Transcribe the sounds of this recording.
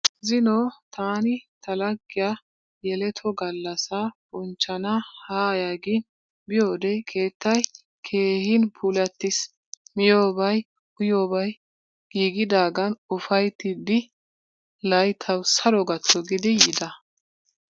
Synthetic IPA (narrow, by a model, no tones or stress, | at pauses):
zɪnɔt̪aːnɪt̪ɐlɐɡːɪja | jɛlɛt̪ʰɔɡɐlːɐsɐb̥ɔnt͡ʃːɐnɐhaːjaːɡɪn | bɪjo̞ːd̪ɛkʰe̞ːt̪ːɐj | kʰe̞ːhɪnpʰuːlɐt̪ːɪs | mɪjoːbɐj | ʔʊjo̞ːbɐj | ɡ̥iːɡɪd̪aːɡɐnʊfɐjt̪ːɪd̪ɪ | lɐjt̪ʰɐwsɐɾɔɡɐt̪ːɔɡɪd̪ɪjɪd̪ɐ